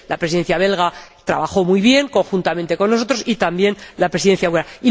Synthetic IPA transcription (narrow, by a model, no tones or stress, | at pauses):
lapɾesiðe̞nθjaβ̞e̞lɣ̞at̪ɾa̰βaxo̞mujβje̞ŋko̞ŋxunt̪ament̪e̞ko̞nːo̞so̞t̪ɾo̞sit̪ambje̞nlapɾesiðe̞nθjaweɾai